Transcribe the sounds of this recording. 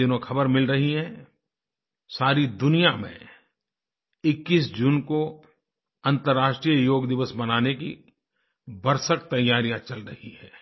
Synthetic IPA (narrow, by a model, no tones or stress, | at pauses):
ɪnõxɐbəɾmɪlɾɐɦiɦɛ̃ | saːɾid̪ʊnijamḛ̃ | ɪkːiːs̬d͡ʒuːnko | ɐ̃nt̪əɾːaːʃʈɾijəjoːɡd̪ɪʋəsbɐnaːnekḭ | bɐɾsək̚t̪ɐjːaːɾijãt͡ʃɐlɾɐhiɦɛ̃ː